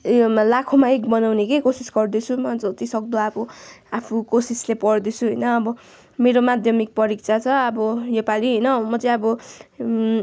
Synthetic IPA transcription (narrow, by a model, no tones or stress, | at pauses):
lakʰomaekbʌnawnekekosisɡʌrd̪it͡sʰumʌd͡zʌt̪isʌk̚d̪oapuapʰukosislepʌrd̪it͡sʰuɦʌjnʌːbʌ | meɾomad̪ʱjʌmik̚pʌɾik̚t͡sʰat͡sʰʌʌbʌjʌpaliɦʌjnʌmʌt͡sʌ̃j̃ʌbʌ